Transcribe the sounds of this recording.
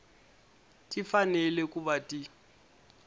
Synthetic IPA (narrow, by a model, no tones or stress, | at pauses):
tʼifanɛlɛkʼuβatʼi